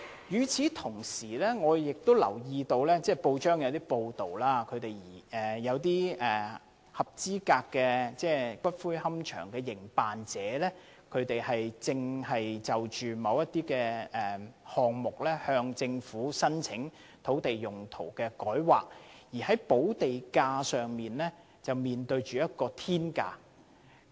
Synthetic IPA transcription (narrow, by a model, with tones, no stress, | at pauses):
jyː˨˧t͡sʰiː˨˥t̪ʰʊ˨˩ŋsiː˨˩lɛː˥ŋɔː˨˧jɪ˨k̚t̪o˥wlɐ̰˨˩wjiː˧t̪o˧wlɛː˥t͡sɛː˥˩po˧wt͡ʃœː˥ŋjɐ˨˧wt̪iː˥po˧wt̪o˨˩wlaː˧kʰɵ˨˧ɥt̪e˨jjiː˨˩ɛː˨jɐ˨˧wt̪̬iː˥ɛː˨ | hɐ˨p̚t͡siː˥kaː˧kːɛː˧t͡sɛː˥˩kʷɐ˥t̚fuː˥jhɐ˥mt͡ʃʰœ̰ː˨˩ŋkɛː˧jɪ˨˩ŋpaː˨nt͡sɛː˨˦lɛː˥ | kʰɵ˨˧ɥt̪e˨jhɐ˨jt͡sɪ˧ŋhɐ˨jt͡sɐ˨wt͡ʃyː˨˩mɐ˨˧wjɐ˥t̪̚iː˥kɛː˧ɛː˨hɔː˨ŋmʊ˨k̚lɛː˥hœː˧ŋt͡sɪ˧ŋfuː˨˥sɐ˥nt͡sʰɪ˨˥ŋ | t̪ʰo˨˥wt̪e˨jjʊ˨˩ŋt̪ʰo̰˨˩wkɛː˧kɔː˨˥jwaː˨k̚jiː˨˩hɐ˨˥jpo˨˥wt̪e˨jkaː˧sœː˨ŋmiː˨nlɛː˥ | t͡sɐ˨wmiː˨nt̪ɵ˧ɥt͡ʃyː˨jɐ˥t̚kɔː˧t̪ʰiː˥nka̰ː˧